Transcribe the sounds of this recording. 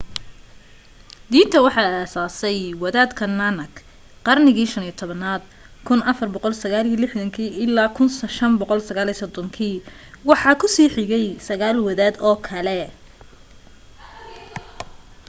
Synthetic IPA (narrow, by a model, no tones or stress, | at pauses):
d̪iːnt̪ʰɐwɑħɑaːsaːsɛjwɐðaːd̪kʰɐnanɐɡ | qɑrnɪɣiːʃɐniːjt̪ʰɔβɐnaːd̪̚ | kʰʊnɐfɐrbɔqɔlsɐɣaːlilɪħðɐŋkʰiːʔɪlaːkʰʊnʃɐnbɔqɔlsɐɣaːliːsɔd̪ɔŋkʰiː | wɑħɑːkʰʊsiːħɪɣɛjsɐɣaːlwɐðaːd̪ɔːkʰɐlɛ